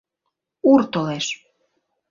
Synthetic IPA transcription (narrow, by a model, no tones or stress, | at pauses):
uɾt̪oleʃ